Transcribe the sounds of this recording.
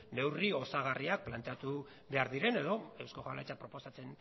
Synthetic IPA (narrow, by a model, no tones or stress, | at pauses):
ne̞wrio̞saɣ̞ariak̚plant̪e̞at̪u | βe̞aɾðiɾe̞ne̞ðo̞e̞wskoxalajt͡sapɾo̞po̞sat͡se̞n